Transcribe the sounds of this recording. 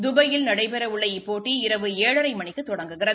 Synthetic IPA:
d̪ʊbɐjɪlnɐɽɐɪpɛɾɐʊɭːɐɪɪpːoːʈːiɪɾɐʋɯeːɻɐɾɐɪmɐɳɪkːɯt̪ːɔɽɐŋɡɯɣɪrɐ

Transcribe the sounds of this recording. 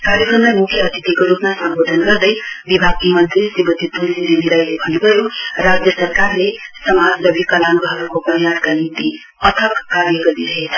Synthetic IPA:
kaɾjʌkʌnd̪ʌmukʰjʌʌt̪it̪ikoɾupmasʌmbʱod̪ʱʌnɡʌrd̪ʌjbibʱaɡ̚imʌnt̪risibʌt̪it̪uid̪iniɾajlebʱʌnubʱʌjorad͡zjʌsʌrkarlesʌmad͡zlʌbʱikʌlanɡɦʌɾukopʌɾjad̪kanint̪i | ʌt̪ʰʌkːaɾjʌɡʌɾiɾʌɦet͡sʰʌ̥

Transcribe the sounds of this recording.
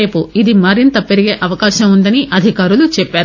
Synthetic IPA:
e̞ːpuid̪imɐɾint̪ɐpeɾiɡe̞ːʔɐʋɐkaːʃɐmund̪ɐniʔɐd̪ʱikaːɾulut͡ʃɛpːaːɾu

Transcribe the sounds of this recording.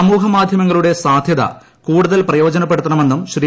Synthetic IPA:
ɐmuːɦɐmaːd̪ʱjɐmɐŋːɐɭuɽe̞saːd̪ʱjɐðɐ̰ | kuːɽuðɐlprɐjo̞ːd͡ʑɐnɐpːe̞ɽut̪ːɐɳɐme̞nːumɕriː

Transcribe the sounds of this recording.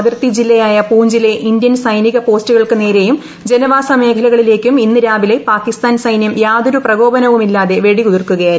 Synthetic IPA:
ðirt̪id͡ʑilːɐjaːjɐpuːɲd͡ʑileʔind̪jɐnsɐjniɣɐpo̞ːstuɣɐɭkɨne̞ːɾe̞jum | d͡ʑe̞nɐʋaːsɐme̞ːkʰɐlɐɣɐɭile̞ːkʲːuminːɨɾaːbile̞paːkːist̪aːnsɐjnjɐmjaːd̪oɾuprɐɡo̞ːbɐnɐʋumilːaːðe̞ʋe̞ɽikuðirkuɣɐjaːɾu

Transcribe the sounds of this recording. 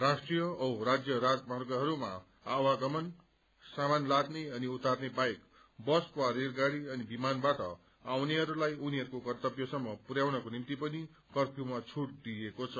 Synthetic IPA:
rasʈrijʌʌwrad͡zjʌɾad͡zmʌrɡʌɦʌɾuma | awaɡʌmʌn | samanlad̪neʌniut̪arnebajk | bʌswaɾeɾɡaɾiʌnibimanbaʈʌ̰ | awneɦʌɾulajuniɦʌɾukokʌrt̪ʌpjʌsʌmːʌpuɾjawnʌkonimt̪ipʌni | kʌrpjumat͡sʰuʈd̪iekot͡sʰʌ

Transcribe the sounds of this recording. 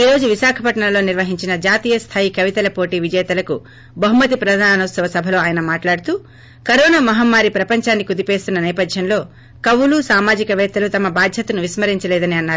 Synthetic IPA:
iːɾo̞ːd͡ʒuʋiʃaːkʰɐpɐʈɳɐnlo̞ːniɾʋɐɦiɲt͡ʃinɐd͡ʒaːt̪iːjɐst̪ʰaːjikɐʋit̪ɐlɐpo̞ːʈiːʋid͡ʒɛːt̪ɐlɐku | bɐɦumɐt̪ipɾɐd̪ʱaːnɐwt̪sɐʋɐsɐbʱɐlo̞ːaːjɐnɐmaːʈlaːɽut̪uː | kɐɾoːnamɐɦɐmːaːɾipɾɐpɐɲt͡ʃaːnːikud̪ipeːst̪unːɐnɛːpɐd̪ʱjɐnlo̞ː | kɐwulusaːmaːd͡ʒikɐʋɛːt̪ːɐlut̪ɐmɐbaːd̪ʱjɐt̪ɐnuʋismɐɾiɲt͡ʃɐleːd̪ɐniɐnːaːɾu

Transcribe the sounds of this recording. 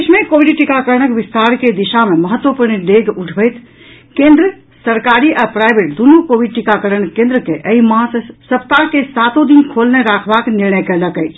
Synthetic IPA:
sʰmekobiɖʈikakəɾnəkbist̪aɾked̪iʃameməɦət̪ːwəpuɾnid̪eɡuʈʰbəjt̪ʰ | kẽnd̪ɾə | səɾkaɾiʔapɾajbʱeʈ̚d̪unukobʱiɖ̚ʈikakəɾəɳkẽnd̪ɾəkeʔəimãssəp̚t̪akesat̪od̪inkʰolneɾakʰbakniɾnəjkələkəjt͡ʃʰ

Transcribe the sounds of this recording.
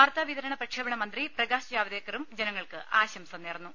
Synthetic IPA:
aːrt̪aːʋiðɐɾɐɳɐprɐʈʂɐbɐɳɐmɐnd̪riprɐɡaːɕɐd͡ʑaːʋɐd̪eːkːɐɾumd͡ʑenɐŋːɐɭkɨʔaːɕɐmsɐmneːrɐnːu

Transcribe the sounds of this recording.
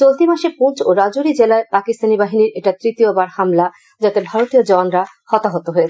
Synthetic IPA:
t͡ɕolt̪imaʃepũnt͡ɕoɾad͡ʑoɾid͡ʑelaepakist̪ʰanibaɦiniɾeʈat̪ɾit̪iobaɾhamla | d͡ʑat̪ebʱaɾot̪iod͡ʑɔnɾa | hɔt̪aɦot̪oɦoet͡ɕʰe

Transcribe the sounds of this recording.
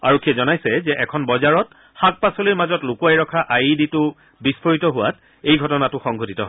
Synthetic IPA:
aɹɔkʰiɛzɔnajsɛzɛʔɛkʰɔnbɔzaɹɔt | xak̚pasoliɹmazɔtlʊkuajɹɔkʰaʔajiditʊ | bispʰoɹitɔɦʊwa̰t̚ | ejɡʱɔtɔnatʊxɔŋɡʱotitɔɦ

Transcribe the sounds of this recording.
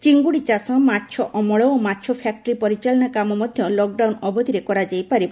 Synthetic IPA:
t͡ʃiŋɡuɽit͡ʃasɔmatːʃʰɔʔɔmɔɭɔomatːʃʰɔpʰak̚ʈɔɾipɔɾit͡ʃalɔnakamɔmɔd̪ʱjɔlɔk̚ɖawnɔbɔd̪ʱiɾekɔɾad͡ʒajpaɾibɔ

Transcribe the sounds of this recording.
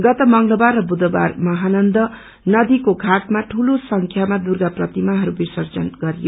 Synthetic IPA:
ɡʌt̪ʌmʌŋlʌbarrʌbud̪ʌba̰rmʌɦanʌnd̪ʌ | nʌd̪ikoɡʱaʈmaʈʰulosʌŋkʰjamad̪urɡaprʌt̪imaɦʌɾubisʌrd͡zʌnɡʌɾijo

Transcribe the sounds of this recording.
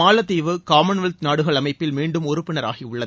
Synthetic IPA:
aːlɐt̪ːiːʋɯkaːmɐnʋɐlt̪naːɽɯɣɐɭɐmɐɪpːɪlmiːɳɖɯmɔɾɯpːɪɳɐɾa̰ːɣiʊɭːɐðɯ

